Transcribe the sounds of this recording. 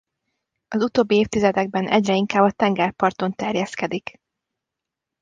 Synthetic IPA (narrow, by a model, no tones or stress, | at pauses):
ɒzut̪oːbːieːft̪izɛd̪ɛɡ̚bɛnʔɛɟrɛiŋkaːbɒt̪ɛŋɡɛrpɒrt̪o̞nt̪ɛrjɛskɛd̪ik